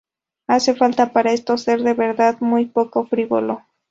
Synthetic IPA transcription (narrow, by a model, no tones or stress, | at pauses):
ase̞falt̪apaɾaest̪oseɾðeβeɾðaðmujpo̞kofɾiβo̰lo